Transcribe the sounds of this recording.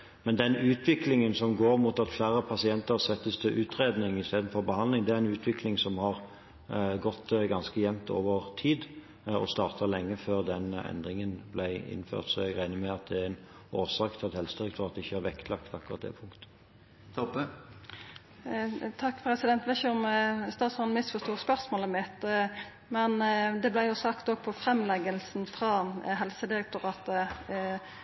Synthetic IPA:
mɛnd̪ɛnʉːt̪ʰʋɪklɪŋənsɔmɡoːɾmut̪ɑt̪flæːɾəpʰɑsɪɛnt̪əɾsɛt̪ːəst̪ʰɪʔʉːt̪ɾeːd̪nɪŋɪst̪eːd̪n̩fɔɾbəhɑnd̪lɪŋd̪ɛæɾɛnʉːt̪ʰʋɪklɪŋsɔmhɑʁ | ɡɔt̪ːɡɑnskəjɛmt̪o̰ːʋəʁt̪ʰiːd̪ | ɔ̰st̪ɑːʁt̪ʰɑlɛŋːəføːʁd̪ɛnɛ̰nd̪ɾɪŋənblæɪɪ̰nːfø̰ːʁt̪sɔɛɡʁæɪnəmɛɑt̪̚d̪ɛæɾæɪnoːsɑːkt̪ʰɪlɑt̪hɛlsəd̪ɪɾɛk̚t̪ʰːɑt̪̚d̪ɛɪçːəæɾʋɛkt̪ʰlɑkt̪ɑkːʊʁɑt̪̚d̪ɛ̰pʰʊŋkt̪ə̥ | t̪ʰɔpə | t̪ʰɑkːpʰɾɛsɪd̪ɛnt̪ʋ̪ɛçɔməst̪ɑːt̪sɔnmɪsfɔʂst̪uːʁəspœʁsmoːləmɪt̪ | mɛnd̪ɛblæɪjʊsɑkt̪ɔɡ̚pʰɔfɾɛmlɛɡəlsnfʁɑɦɛlsəd̪ɪɾɛk̚t̪ʊʁɑːt̪ə

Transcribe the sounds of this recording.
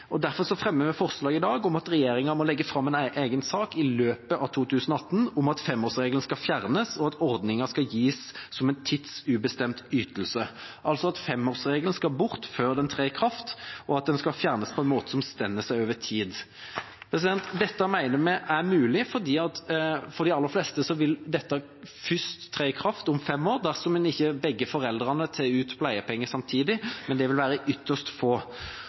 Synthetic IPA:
ʔɔd̪æɾfɔɾsɔfɾɛmːəmɛfɔʁslɑːɡɪd̪ɑːɡɔmɑt̪ɾɛjeːɾɪŋɑmɔlɛɡːəfɾɑmːɛnʔeːɡənsɑːkɪløːpəʔɑʋt̪ʰuːt̪ʰʉːsənɔɑt̪ːn̩ʊmɑt̪fɛmːoːʁsʁeːɡələn̩skɑfjæʁnəsɔɑt̪ɔɾd̪nɪŋɑskɑljiːssɔmɛnt̪ʰɪt̪sʉbəst̪ɛmt̪yːt̪əlsəʔɑlsɔɑt̪fɛmːoːʁsʁeːɡlən̩skɑlbʊʁt̪føːɾd̪ɛnt̪ʰʁeːkʰɾɑft̪ɔɑt̪̚d̪ɛnskɑlfjæʁnəspʰɔɛnmoːt̪ə̥sɔmst̪ɛnːəsæɪoːʋət̪ʰiːd̪ | pʰɾɛs̬ɪd̪ɛnt̪d̪ɛt̪ːəmæɪnəmæɪʔæʁmʉːlɪfɔd̪iːɑt̪fɔɾd̪ɪɑlːəɾflɛst̪əsɔʋɪld̪ɛt̪ːə | fʏst̪ʰːɾeːkʰɾɑft̪ʊmfɛmːoːʁd̪æʁsɔmɛnɪçːəbɛɡːəfɔɾɛld̪ɾɑnət̪ʰeʉːt̪pʰlæɪəpʰɛŋːəsɑmt̪ʰiːd̪ɪmɛnd̪ɛʋɪlʋæːɾəʔʏt̪ːəʂt̪foː

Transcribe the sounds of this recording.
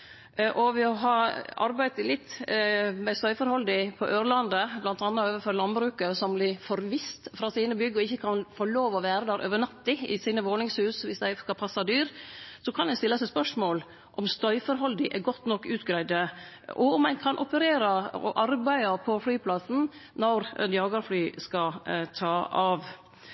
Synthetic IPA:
ʔɔʋɪɔɦɑɑ̰ɾbæɪt̪əlɪt̪ː | mɛst̪œʏfɔɾhɔld̪ɪpʰɔʔøːɾlɑnd̪əblɑnt̪ɑnːɑøːʋəfɔɾlɑnbɾʉːkəsɔmblɪfɔɾʋɪst̪fɾɑsiːnəbʏɡːɔɪçːəkʰɑnfoːɭoːʋɔʋæːɾəd̪æːɾʔø̰ːʋənɑt̪ːɪɪ̰siːnəʋoːnɪŋshʉːsʋɪsd̪æɪskɑpʰɑsːɑd̪yːɾsɔkʰɑnæɪst̪ɪlːəsɛɪspœʂmoːl | ʔɔmst̪œʏfɔɾɦɔld̪ɪʔɛɡɔt̪ːnɔkːʉːt̪ɡɾæɪd̪ə | ɔ̰ʊmæɪnkʰɑnʔɔpəɾeːɾɑɔ̰ʔɑɾbæɪɑpʰɔflyːpʰlɑsn̩nɔɾ̰d̪jɑːɡɑɾflyːskɑt̪ʰɑːɑːʋ

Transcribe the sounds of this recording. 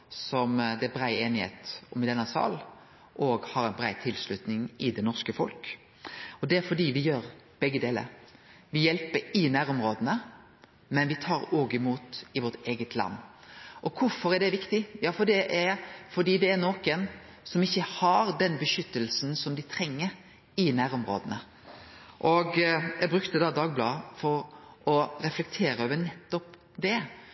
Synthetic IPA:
sɔmd̪ɛæbɾæɪeːnɪhḛːt̪ɔmɪd̪ɛnːɑsɑ̰ːl | ʔɔːɡhɑɾɛɪnbɾæɪt̪ʰɪlslʉt̪nɪŋɪd̪ɛnɔʁskəfɔ̰lk | ɔd̪ɛæɾfɔɖiːʋɪjøːɾ | b̥ɛɡːəd̪eːlə̰ɾ | ʋɪjɛlpəɾɪnæːɾɔmɾoːd̪ənə | mɛnʋɪt̪ʰɑːɾoːɡɪmuːt̪ɪʋɔt̪eːɡət̪ʰlɑ̰nː | ʔɔkʰʊɾfɔɾæɖɛʋɪkt̪ɪjɑːfɔɖ̪ɛʔæɾfɔɖ̪iːd̪ɛːɾnoːkən | sɔmɪçːəhɑɾd̪ɛnbəʃʏt̪ːəlsnsɔmd̪ɪt̪ʰɾɛŋːəɾ | ɪnæːɾɔmɾo̰ːd̪ənə | ʔɔɡjæbɾʉkt̪əd̪ɑːd̪ɑːɡ̚blɑ̰ːfɔɾʔɔɾɛflɛk̚t̪ʰeːɾəøːʋənɛt̪ːɔp | d̪ɛ

